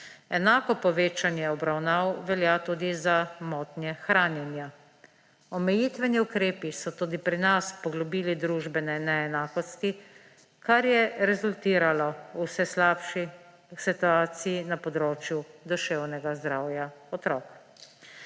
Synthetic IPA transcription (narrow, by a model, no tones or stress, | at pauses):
ɛnaːkɔpɔʋeːt͡ʃanjɛɔbɾawnaːwʋɛljat̪uːd̪izamɔːt̪njɛxɾaːnjɛnja | ɔmɛjit̪ʋɛniukɾeːpisɔt̪uːd̪ipɾinaspɔɡlɔbiːlid̪ɾuːʒbɛnɛnɛːnaːkɔst̪i | kaɾjɛɾɛzult̪iːɾalɔusɛslaːpʃi | sit̪uaːt̪sijinapɔd̪ɾoːt͡ʃjud̪uʃɛwnɛɡazd̪ɾaːwjaɔt̪ɾɔːk